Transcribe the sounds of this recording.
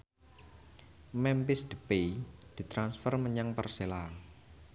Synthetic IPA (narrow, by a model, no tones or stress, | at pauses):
mɛmpɪsd̪̥ə̤ped̪̥i̤t̪ɾansfərməɲaŋpərsela